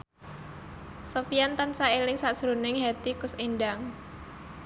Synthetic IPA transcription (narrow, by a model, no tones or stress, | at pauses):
sofijant̪ansaelɪŋsaʔsɾunɪŋɦɛt̪ikʊsinɖaŋ